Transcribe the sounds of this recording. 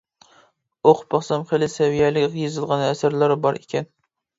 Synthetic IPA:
oqbɑχsɑmχelɪsɛvijælɪkʲjezɨlˠʁɑnæsæɾlæɾɪbɑɾekʲɛn

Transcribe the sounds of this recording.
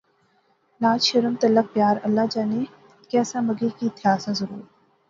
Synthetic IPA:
laːd͡ʒʃɐɾəmt̪ɐlːək̚pjaːɾɐlːad͡ʒaːne | kɛːsaməɡekit̪ɪjaːsãzəɾuːɾ

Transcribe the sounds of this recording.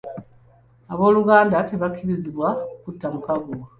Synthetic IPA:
aβo̞ːluɡaːndate̞βakʰːiɾiziβwaukutːamukaɡu

